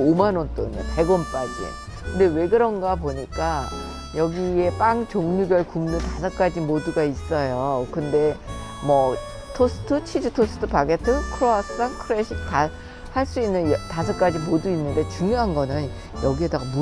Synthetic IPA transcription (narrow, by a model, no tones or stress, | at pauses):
omanont͈oinɯnpe̞ɡʌnp͈ad͡ʑḭ | kɯnde̞we̞ɡɯɾʌŋɡapoɲik͈a | jʌɡie̞p͈aŋt͡ɕoŋɲuɡjʌɭkumnɯntasʰʌk͈ad͡ʑimoduɡais͈ʌjokɯnde̞mʌ | tʰos͈ʰɯ̥tʰɯt͡ɕʰid͡ʑutʰos͈ʰɯ̥tʰɯpaɡetʰɯkʰɾoasaŋkʰɯɾeɕʰik̚ta | haɭs͈uinːɯnjʌtasʰʌk͈ad͡ʑimoduinːɯnde̞t͡ɕuŋjoɦanɡʌnɯn | jʌɡiedaɡamu